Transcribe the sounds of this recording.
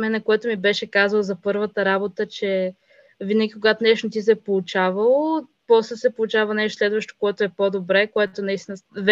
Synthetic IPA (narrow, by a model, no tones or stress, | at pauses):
mɛnɐkoɛt̪ʊmibɛʃɛkazəlˠzɐpɤɾvət̪əɾabot̪ət͡ʃɛ | vinəɡʲikoɡat̪onɛʃnot̪̬is̬ɛpolˠʊt͡ʃavəlˠo | pɔslɛsɛpolˠʊt͡ʃavənɛʃt̪oslɛd̪vəʃt̪o̥koɛt̪oɛpod̪obɾɛkoɛt̪onɐist̪inəv